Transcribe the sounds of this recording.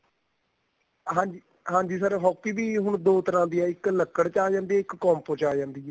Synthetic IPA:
ɦãːɲd͡ʒi | ɦãːɲd͡ʒiːsəɾɦɔːkːiːbiːɦʊɳd̪oːt̪əɾãːd̪iːɛːɪkləkːəɽt͡ʃaːd͡ʒãːnd̪iːɛːɪkːɔːmpõːt͡ʃaːd͡ʒãːnd̪iːɛː

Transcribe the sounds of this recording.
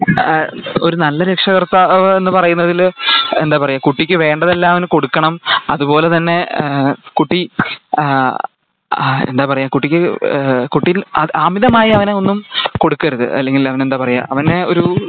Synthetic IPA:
o̞ɾunɐlːɐɾekʂɐɣɐrt̪aːʋɨe̞nːɨpɐrɐjunːɐðile̞nd̪aːpɐrɐjːaːkuʈːikʲːɨʋe̞ːɳɖɐðelːaːmɐʋɐnɨko̞ɽukːɐɳɐmɐðupo̞ːle̞t̪ɐnːe̞ | kuʈːi | ḛnd̪aːpɐrɐjaːkuʈːikʲːɨkuʈːiilɐ̰ʔaːmiðɐmaːjiɐʋɐneo̞nːumko̞ɽukːɐɾuðɨ̰ʔɐ̰lːe̞ŋɡilɐʋɐnend̪aːpɐrɐjːa̰ːʔɐʋɐneo̞ɾu

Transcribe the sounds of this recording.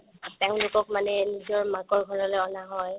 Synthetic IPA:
teʊ̃lʊkɔkmanɛnizɔɹmakɔɹɡʱɔɹɔlɔɔnaɦɔj

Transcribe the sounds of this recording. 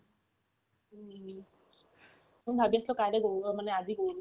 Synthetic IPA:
mʊnbʱabiaslɔkajlɛɡoamanɛaziɡo

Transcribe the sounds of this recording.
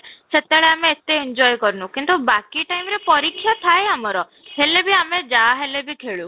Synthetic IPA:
set̪eɭeameːt̪eiɲd͡ʒɔjkɔɾnukint̪ubakiʈajmɾepɔɾikʰːjɔt̪ʰaeamɔɾɔ | helebʱiamed͡ʒaɦelebʱikʰeɭu

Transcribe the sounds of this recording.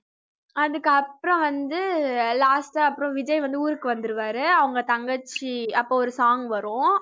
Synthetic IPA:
ɐðɯkːɐpːɯɾɔ̃ʋɐnd̪ɯlaːsʈːɐpːɯɾɔ̃ʋɪd͡ʒɐjʋɐnd̪ɯuːɾɯkːɯʋɐnd̪ɯɾɯʋaːɾɯɐʋɐŋɡɐt̪ɐŋɡɐt͡ʃːiɐpːoːɔɾɯsaːŋɡʋɐɾʊ̃

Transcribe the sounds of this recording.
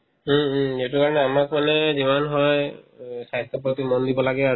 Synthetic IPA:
etukaɹɔnɛamakmanɛzimanɦɔjsajstʰɔpotimɔndibɔlaɡɛa

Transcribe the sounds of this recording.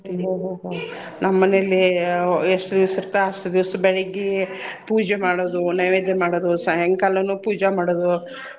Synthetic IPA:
ɦoɦoːɦo | nɐmːɐnelːieʂʈɐd̪iʋɐsiɾt̪aɐʂʈɐd̪iʋɐsɐbɛɭeɡipuːd͡ʒemaːɽoːd̪unɐʋeːd̪emaːɽoːd̪usɐɦɛŋkɐlːɐnuːpuːd͡ʒamaːɽoːd̪u

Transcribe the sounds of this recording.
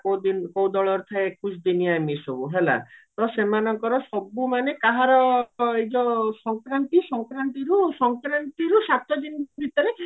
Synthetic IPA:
kod̪inkowd̪ɔɭɔɾt̪ʰaeekusd̪iniamisobuɦela̰t̪ɔsemanɔŋkɔɾɔsɔbumanekaɦaɾɔejd͡ʒɔsɔŋkɾant̪isɔŋkɾant̪iɾusɔŋkɾant̪iɾusat̪ɔd͡ʒinbit̪ɔɾe

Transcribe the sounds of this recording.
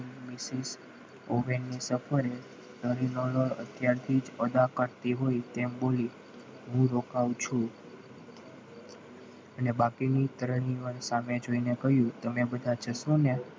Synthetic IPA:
misis | oʋenːisəfəɾe | t̪əɾinoloɭə̰t̪ʰjaɾt̪ʰid͡ʒɔd̪akəɾt̪iɦoit̪emboli | ɦũɾokawt͡ʃʰũ | ənebakinit̪əɾɳ̃iʋəɳsamed͡ʒoinekəɦjũt̪əmebəd̪ʱat͡ʃəsũne

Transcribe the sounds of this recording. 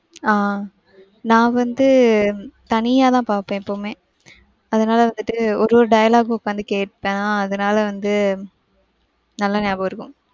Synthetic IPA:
aː | nãːʋɐnd̪ɯ | t̪ɐnɪjaːt̪ãːpaːɾpːẽːɪpːoːmẽː | ɐðɐnaːlɐʋɐnd̪ɯʈːɯɔɾɯʋɔɾɯɖɐjɐlaːɡɔkːaːnd̪ɯkeːʈ̚pẽːnaːɐðɐnaːlɐʋɐnd̪ɯ | nɐlːɐneːbɐːɪɾɯkːʊ̃

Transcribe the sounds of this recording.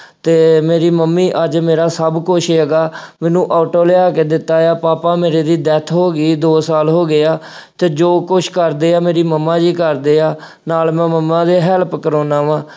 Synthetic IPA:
t̪eːmeːɾiːməmːiːʔəd͡ʒmeːɾaːsəbkʊʃʰeəɡaːmɛ̃ːnũːʔaːʈoːlɪaːkeːd̪ɪt̪ːaːaːpaːpaːmeːɾeːd̪iːd̪ɛːt̪ʰɦoːɡiːd̪oːsaːlɦoːɡɪaː | t̪eːd͡ʒoːkʊt͡ʃʰkəɾd̪eːaːmeːɾiːməmːãːd͡ʒiːkəɾd̪eːaː | naːlmɛ̃ːməmːãːd̪eːɦɛːlpkəɾoːnãːʋãː

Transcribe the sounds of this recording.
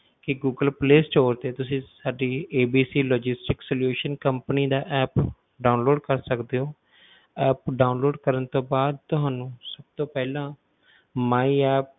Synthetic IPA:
kɪɡuːɡəlpleːsʈoːɾt̪eːt̪ʊsĩːsaːɖiːeːbiːsiːlɔːd͡ʒɪsʈɪksəljuːʃənkəmpəniːd̪aːʔɛːp | ɖaːʊnloːɖkəɾsəkd̪eːɦoː | ɛːpɖaːʊnloːɖkəɾənt̪õːbaːd̪̚t̪ʊɦaːnũːsəb̚t̪õːpɛːlãː | maːiɛːp̚

